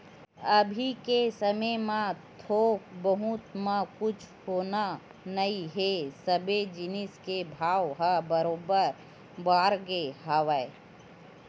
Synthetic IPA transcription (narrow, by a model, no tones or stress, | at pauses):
ɐbʱikesəməmãt̪ʰoːk̚bəɦʊt̪mãkʊt͡ʃʰhoːna | nɐiɦesəbed͡ʒɪnɪskebʱaːwɦabəɾoːbəɾ | baːɾɡeɦaʋəe